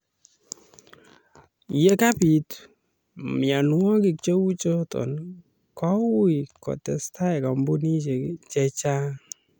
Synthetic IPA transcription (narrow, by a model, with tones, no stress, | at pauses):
jɛ˦ka˦pi˨t | mja˨nwɔ˦ki˨k̚t͡ʃe˦wu˦t͡ʃɔ˦tɔ̰˨n | kɔ˦wi˨kɔ̰˨tɛ˨sta˦ɛ˨ka˨mbu˦ni˦t͡ʃɛ˨t͡ʃa˦